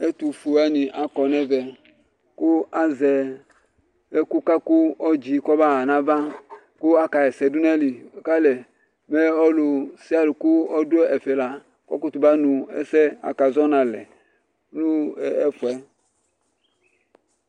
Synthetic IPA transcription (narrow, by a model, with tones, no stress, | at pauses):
ɛ˦tu˨fu˨a˦ni˨ʔa˨kɔ˨nɛ˦vɛ˨ | ku˦a˦zɛ˨ | ɛ˦ku˦ka˦ku˦ɔ˦d͡ʒi˨kɔ˦ba˦˨na˦va˦ | ku˦a˦ka˨ɛ˨sɛ˨du˦nɛ˦li˨ka˦lɛ˨ | mɛ˦ɔ˦lu˨si˦a˦lu˨ku˦ɔ˦du˦ɛ˦ɛ˨fɛ˨la˨ | kɔ˦ku˦tu˨ba˦nu˨ɛ̰˦sɛ˦a̰˨ka˨zɔ˦na˨lɛ˨ | nu˦˨ɛ˦fu˨ɛ˦